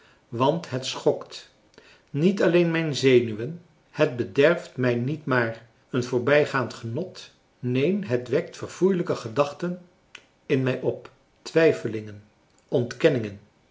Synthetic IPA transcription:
ʋɑntɦətsχɔkt | nitɑlejnmɛjnzejnyʋən | hət̚bədɛɹftmɛjnitmaːr | ənvʊːɹbɛjχaːntχənɔt | nejnɦətʋɛk̚tfəɹv̥ujləkəχədɑχtən | ɪnmɛjʔɔp | tʋɛjfəlɪŋən | ɔntkɛnɪŋən

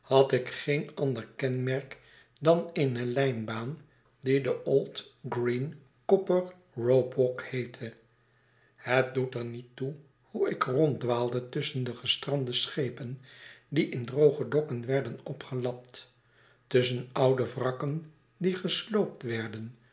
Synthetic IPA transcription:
hɑtɪkχejnɑndəɹkɛnmɛɹk | dɑnenəlɛjnbaːn | didəʔolˠtɡrin | kɔpəɹ | rowbɔkhejtʰə | hət̚dutəɹnitu | huɪkrɔntdʋaːlˠdətʏsəndəχəstrɑndəsχejpəndiʔɪndrowχədɔkənʋɛɹdənɔpχəlɑp̚t | tɵsənʔʌwdəvrɑkən | diχəslowp̚tʋɛɹdən

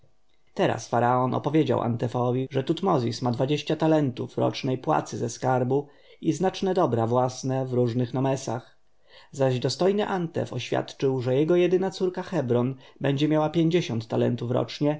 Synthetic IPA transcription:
t̪ɛɾa̰sfaɾaɔnʔɔ̰pɔvʲjed͡ʑa̰wʔa̰nt̪ɛfɔvʲiʐɛt̪ut̪mɔzʲismad̪vad͡ʑeɕt͡ɕat̪alɛnt̪ufɾɔ̰t͡ʂnɛjpwa̰t̪sɘzɛskaɾbu | iznat͡ʂnɛd̪ɔbɾavwasnɛvɾuʐnɘxnɔmɛsax | zaʑd̪ɔst̪ɔjnɘʔant̪ɛ̰fɔɕfʲja̰t̪t͡ʂɘwʐɛjɛɡɔjɛd̪ɘnat̪suɾkaxɛbɾɔnbɛɲd͡ʑɛmʲjawapʲjeɲd͡ʑeɕɔnt̪ːalɛ̰nt̪ufɾɔ̰t͡ʂɲɛ

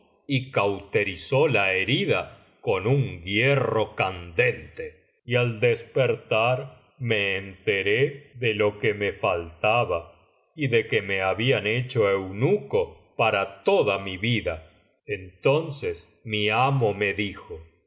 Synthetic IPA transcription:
ikawt̪e̞ɾisolaeɾiða | konuŋɡjero̞kand̪e̞nt̪e | iald̪espeɾt̪aɾ | me̞ːnt̪eɾeðelo̞kemefalt̪aβa | iðekeme̞aβiane̞t͡ʃoe̞wnuko | paɾat̪oðamiβiða | ent̪o̞nses | miamo̞me̞ðixo

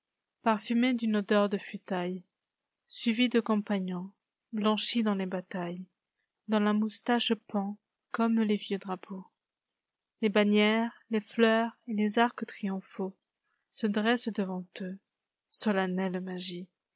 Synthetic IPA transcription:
paʁfymed̪ynod̪œʁd̪əfɥit̪aj | sɥivid̪əkɔ̃paɲɔ̃ | blɑ̃ʃid̪ɑ̃lebat̪aj | d̪ɑ̃lamust̪aʃpɑ̃ | kɔmlevjød̪ʁapʰo | lebanjɛʁleflœʁelezaʁkət̪χijɔ̃fo | səd̪ʁɛsd̪əvɑ̃t̪ø | sɔlanɛlmaʒi

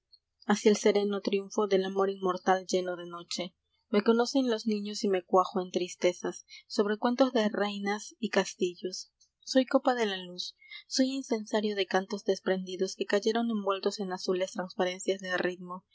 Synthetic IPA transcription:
asielse̞ɾe̞no̞t̪ɾjuɱfo̞ðe̞lamo̞ɾinmo̞ɾt̪ald͡ʒe̞no̞ðe̞no̞t͡ʃe̞ | me̞ko̞no̞se̞nlo̞znĩɲo̞sime̞kwaxoe̞nt̪ɾist̪e̞sasːo̞β̞ɾe̞kwe̞nt̪o̞zðerejnasikast̪iʝo̞sː | o̞jko̞paðe̞lalusː | o̞jinse̞nsaɾjo̞ðekant̪o̞zðe̞spɾe̞nd̪iðo̞ske̞kaʝe̞ɾo̞ne̞mbwe̞lt̪o̞se̞nasule̞st̪ɾanspaɾe̞nsjazðerid̪mo̞

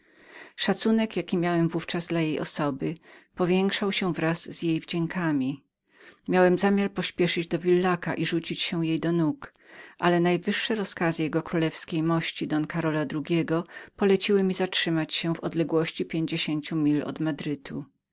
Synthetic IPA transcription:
ʂat̪sunɛkjakʲimʲjawɛmvuft͡ʂazd̪lajejɔ̰sɔbɘpɔvʲjɛŋkʂawɕɛvɾazzjejvd͡ʑɛŋkʰamʲi | mʲjawɛmzamʲjaɾpɔɕpʲjɛʂɘd͡ʑd̪ɔvʲilːaka̰ʔiʐut͡ɕit͡ɕɕɛjejd̪ɔnuk | ʔalɛnajvɘʂːɛɾɔskazɘjɛɡɔkɾulɛfskʲejmɔɕt͡ɕid̪ɔnkaɾɔlad̪ɾuɡʲɛɡɔpɔlɛt͡ɕiwɘmʲizatʂɘmat͡ɕɕɛvɔd̪lɛɡwɔɕt͡ɕipʲjeɲd͡ʑeɕeɲt͡ɕumʲilɔ̰d̪mad̪ɾɘt̪ʰu

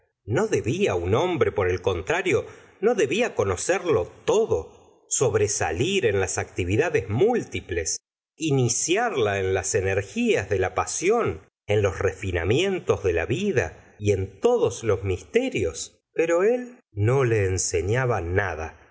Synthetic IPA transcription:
no̞ðe̞βiauno̞mbɾe̞po̞ɾe̞lko̞nt̪ɾaɾjo̞ | no̞ðe̞βiako̞no̞seɾlo̞t̪oðo̞ | so̞βɾe̞sa̰liɾe̞nlasak̚t̪iβiðaðezmult̪iple̞s | inisjaɾlaenlase̞neɾxiazðe̞lapasjo̞n | enlo̞sre̞fina̰mje̞nt̪o̞zðe̞la̰βiða̰ie̞nt̪o̞ðoslo̞zmist̪eɾjo̞s | peɾo̞e̞l | no̞leːnseɲaβanaða̰

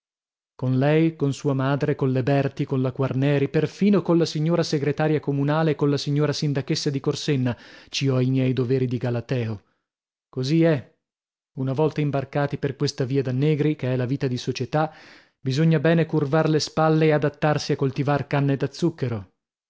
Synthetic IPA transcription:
konlɛjkonsuːamaːd̪ɾekonlebɛrt̪ikonlakwarnɛːɾiperfiːnokonlasiɲːoːɾaseɡɾet̪aːɾjakomunaːleːkonlasiɲːoːɾasind̪akesːad̪ikorsenːat͡ʃiɔajmjɛjd̪oveːɾid̪iɡalat̪ɛːo | koziɛ | unavɔlt̪aimbarkaːt̪iperkwest̪aviːad̪anːeːɡɾikeɛlaviːt̪ad̪isot͡ʃet̪a | bizoɲːabɛːnekurvarlespalːeːad̪at̪ːarsiakːolt̪ivarkanːed̪at̪sːukːeɾo

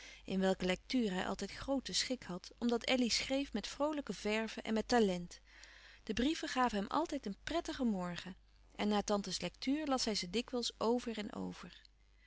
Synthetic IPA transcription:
ʔɪnʋɛlˠkəlɛk̚tyːrəɦɛjʔɑ̰lˠtɛjtχrowtəsχɪkhɑtɔmdɑtɛlisχrejfmɛtfrowləkəvɛɹv̥əʔɛ̰nmɛtaːlɛnt | d̥əbriv̥əχaːvəɦɛmʔɑ̰lˠtɛjtənprɛtəχəmɔɹχə | ɛnːaːtɑntəslɛk̚tyːɹlɑsɦɛjzədɪkʋəlˠsʔowvəɹɛnʔo̰wv̥ər

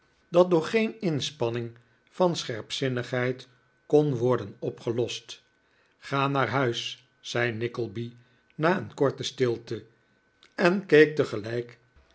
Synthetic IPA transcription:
dɑt̚dʊːɹχejnɪnspɑnɪŋ | fɑnsχɛɹpsɪnəχɦɛjt | konʋɔɹdənɔpχəlɔst | χaːnaːɹɦœɥs | sɛjnɪkəlˠbi | naːənkɔɹtəstɪlˠtə | ɛnkejk̚təχəlɛjk

